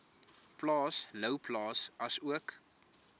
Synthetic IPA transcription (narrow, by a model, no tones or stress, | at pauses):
plɑːsləwplɑːsɐsuək